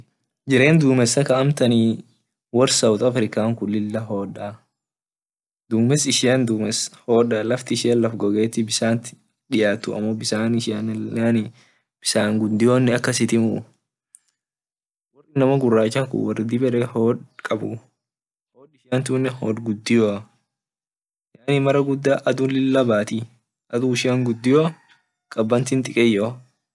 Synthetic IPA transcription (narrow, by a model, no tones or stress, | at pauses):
d͡ʒɪɾe̞ːnd̪uːmɛsːɐkɐɐmt̪ɐniː | wɐɾsɐwʊt̪ɐfɾɪkaːŋkʊlːɪlːɐɦoːᶑa | d̪uːmɛsɪʃɪjɐnd̪uːmɛshoːᶑalɐft̪ɪɪʃɪjɐnlɐfɡɔɡeːt̪ːɪbɪsaːnt̪ɪ̥ | ᶑɪjaːt̪ːʊɐ̰mːobɪsaːnɪʃɐnn | b̥ɪsaːŋɡʊd̪ɪjoːnːɪɐkːɐsɪt̪ɪmʊ | wɐrːɪnɐmɐɡʊrːaːt͡ʃːɐŋkʊ̰wɐrɪd̪ɪbɛɾɛoːᶑkʼɐbʊ | hoːᶑɪʃɪjant̪uːnːɛhoɡʊd̪ːɪjoɐ | jaːnimɐɾɐɡʊd̪ːaːʔɐd̪ulɪlːɐbaːt̪i | ʔɐd̪uɪʃɪjɐŋɡʊd̪ːɪjoː | kʼɐbːɐnt̪ɪnt̪ʼɪkʼɛjːoː